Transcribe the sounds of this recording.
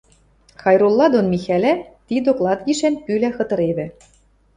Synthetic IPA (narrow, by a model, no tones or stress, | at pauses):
xɑjɾolˠːɑd̪onmʲixælæt̪id̪oklˠɑt̪ɣiʃænpylæxɤ̆t̪ɤ̆ɾeβɘ̆